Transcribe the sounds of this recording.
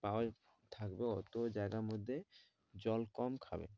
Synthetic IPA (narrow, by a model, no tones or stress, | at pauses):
pawa | t̪ʰakbeɔt̪od͡ʑajɡamod̪ʱːe | d͡ʑɔlkɔmkʰabḛ